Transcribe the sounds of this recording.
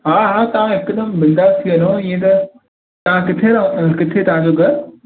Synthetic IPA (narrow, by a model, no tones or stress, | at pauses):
ɦaːɦaːt̪ɐʋãɦɪkɗ̪əmbɪnd̪aːzt̪ʰiʋɐnoɪ̃ːẽt̪̬ɐ | t̪ɐʋ̤ãkɪt̪ʰeɾɐkɪt̪ʰet̪ɐʋ̤ãd͡ʑoːɡɐɾ